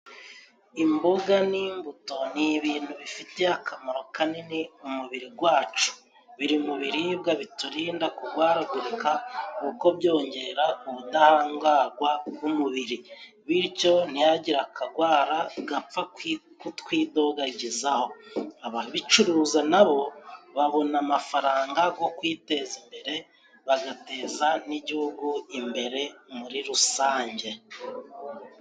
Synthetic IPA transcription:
imboɡaniːmbuto̞niβiːnhuβifite̞akʰamaɾo̞kaneneumuβiɾiɡwaːt͡ʃu̥ | βiɾimuβiɾibɡaβituɾiːndakuɡwaːɾaɡuɾukauko̞bjo̞ːɲɟe̞ɾauβudahaːŋɡaːɡwaβumuβiɾi | βiɾco̞n̥ijaɟiɾakʰaɡwaːɾaɡap͡fa | kutkwiːdo̞ɡaɟizaho̞aβaβit͡ʃuɾuːzanaβo̞βaβo̞namafaɾaːŋɡaɡo̞kwiːte̞zimbe̞ɾe̞ | βaɡate̞ːzaniɟihuɡuimbe̞ɾe̞muɾiɾusaːɲɟe̞

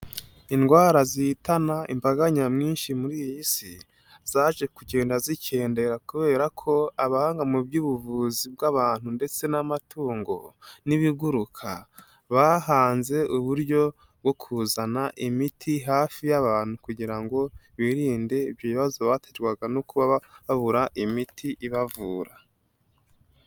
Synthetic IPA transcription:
inɡwaːɾazitanaḭmbaɡaɲamŋiːnʃimuɾijjisi | z̥aʒe̞kuɟe̞ːndazicʰe̞ːnde̞ɾakuβe̞ːɾakʰo̞aβahaːŋɡamubɟuːβuvuːzib̚ɡaβaːn̥hunde̞t͡se̞namatʰuːŋɡo̞̰niβiɡuɾukʰa̰ | βaɦaːnze̞ʔuβuɾɟo̞ | b̚ɡo̞kʰuzanaʔimitʰiɦaːfijaβaːn̥hukuɟiɾaŋɡo̞βiɾiːnde̞ibjoβiβazo̞βatʰed͡ʒɡwaɡanokuβaβaβuɾaʔimitʰiʔiβavuːɾa

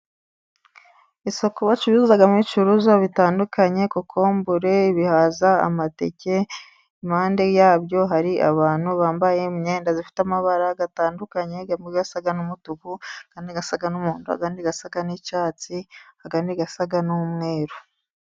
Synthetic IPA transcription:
iso̞koβat͡ʃuβizuzaɡamit͡ʃuɾuzaβitaːndukaɲe̞kukʰo̞ːmbuɾe̞iβihazaa̰matḛce̞ | imaːnde̞jaːβjo̞ɦaɾiʔaβaːn̥huβaːmbaje̞mɲeːndazifi̥tamaβaɾaɡataːndukaɲe̞ɡamiɡasaɡanumutukuakaːndiɡasaɡanumuːnduha̰ɡaːndiɡasaɡanicaːt͡sihaɡandiɡasaɡanumŋe̞ːɾu

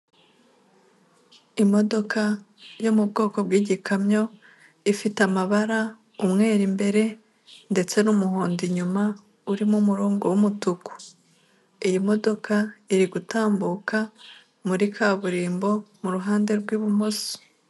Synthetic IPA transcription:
imo̞do̞kʰa | jo̞mub̚ɡo̞ːko̞bɡiːɟikʰamɲo̞ | ifitamaβaɾa | umŋe̞ːɾimbe̞ɾe̞ | nde̞t͡se̞numuhoːndiɲuma | uɾimumuɾuːŋɡuwumutuku̥ | ijimo̞do̞kʰaiɾiɡutaːmbuka | muɾikʰaːβuɾiːmbo̞muɾuɦaːnde̞ɾɡwiːβumoso̥

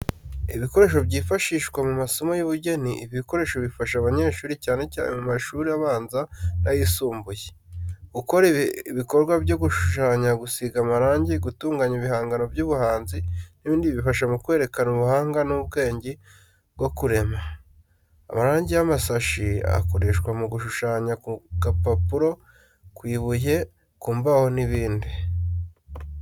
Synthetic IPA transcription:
iβiko̞ɾe̞ːʃo̞βɟiːfaʃiʃkwemumaso̞mojuβuɟe̞niiβiko̞ɾe̞ːʃo̞βifaʃaβaɲe̞ːʃuːɾicaːne̞ca̰ːnḛmumaʃuːɾiaβaːnzanajisuːmbuje | ɡuko̞ɾiβiko̞ɾɡwabɟo̞ɡuʃuʃaːɲaɡusiɡamaɾaːɲɟiɡutuːŋɡaɲiβihaːŋɡano̞vjuːβuhaːnziniβiːndiβifaʃ̬amukwe̞ːɾe̞kanuβuhaːŋɡanubɡe̞ːɲɟi | bɡo̞kuɾe̞ma̰ː | maɾaːɲɟijamasaʃia̰ko̞ɾe̞ːʃkwamuɡuʃuʃaːɲakuɡapapuɾo̞ | kwiːβuje̞ | kuːmbaho̞niβiːndi

